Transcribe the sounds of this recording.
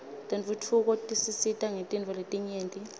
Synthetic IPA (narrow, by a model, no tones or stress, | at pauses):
tʼɛnvutʰuk̬ʼɔtʼisisitʼaŋetʼint͡fɔletʼiɲeːntʼi